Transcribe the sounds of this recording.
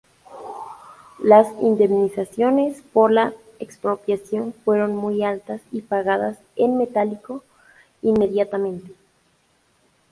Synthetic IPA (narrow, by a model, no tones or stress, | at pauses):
lasḭnd̪e̞mnisasjo̞ne̞spo̞ɾla | ekspɾo̞pjasjo̞nfwe̞ɾo̞nmujalt̪asipaɣaðas | enme̞t̪aliko̞ | inme̞ðjat̪amẽnt̪e̥